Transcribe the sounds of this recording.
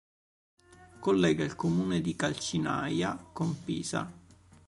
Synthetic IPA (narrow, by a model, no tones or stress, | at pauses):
kolːɛːɡailkomuːned̪ikalt͡ʃina̰jakompḭːsa̰